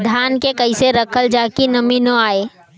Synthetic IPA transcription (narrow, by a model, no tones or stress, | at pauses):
d̪ʱaːnkekəɪseɾəkʰəld͡ʒaːkinəminoaːeː